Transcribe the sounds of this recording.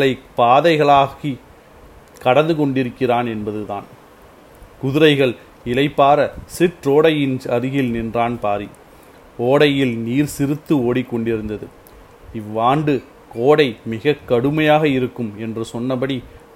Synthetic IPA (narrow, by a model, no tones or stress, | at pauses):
ɭɐɪpaːðɐɪɣɐɭaːɣi | kɐɽɐnd̪ɯkɔɳɖɪɾɯkːɪraːnɛnbɐðɯðaːn | kʊðɪɾɐɪɣɐɭ | ɪlɐɪpːaːɾɐsɪʈɾoːɽɐjɪnɐɾɯɣɪlnɪndraːnpaːɾi | oːɽɐjɪlniːɾsɪɾɯt̪ːɯoːɽikːɔɳɖɪɾɯnd̪ɐðɯ | ɪʋːaːɳɖɯ | koːɽɐɪmɪɣɐkːɐɽɯmɐjaːɣɐɪɾɯkːɯmɛndrɯsɔnːɐpɐɽi